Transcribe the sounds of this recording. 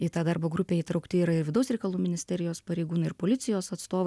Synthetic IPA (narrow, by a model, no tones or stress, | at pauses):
ɪt̪ɑd̪ɐɾboːɡɾʊpʲeːiːt̪ɾɐʊkt̪ʲɪiːɾɐɪɾʋʲɪd̪ɐʊsɾʲɛɪkɐlˠuːmʲɪnʲɪsʲt̪ʲɛɾʲɪjoːspɐɾʲɛɪɡuːnɐɪɾpoːlʲɪt̪sʲɪjoːsɐt̪st̪oːʋɐɪ